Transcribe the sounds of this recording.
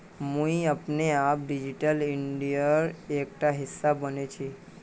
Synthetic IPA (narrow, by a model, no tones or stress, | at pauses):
mũiəpneap̚ɖid͡ʒiʈəlɪɳɖijəɾek̚ʈaɦɪsːabənet͡ʃʰi